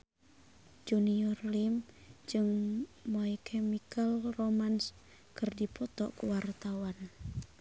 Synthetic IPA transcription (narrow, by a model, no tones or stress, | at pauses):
d͡ʒuniɔrlimd͡ʒɨŋmɔikʰɛmikalromans | kɨrdipɔt̪ɔkuwart̪awan